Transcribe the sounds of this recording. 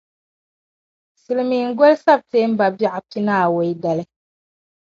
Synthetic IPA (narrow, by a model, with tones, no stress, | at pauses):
si˨lmi˨ŋ̩˦ɡo˦lsa˦b̚teː˦m̩˦ba˨bi˦ʔa˨pi˦naː˦˨we˨i˦da˨lɨ˦